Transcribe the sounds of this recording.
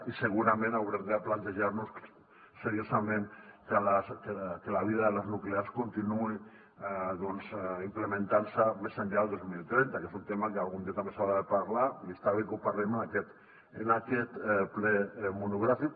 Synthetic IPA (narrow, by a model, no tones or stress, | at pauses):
iseɣ̞uɾamẽnawɾemðeaplant̪eʒaɾnus | seɾiosamẽnkelaskekelaβ̞iðaðelaznukleaskont̪inui | aðonsimplemẽnt̪aɾsamesaɲʎaeld̪ozmilt̪ɾent̪akesunt̪emakealɣund̪ieat̪ambesawɾaðepaɾlaiest̪aβekupaɾlemenakɛt̪ | enakɛt̪plɛmunuɣ̞ɾafik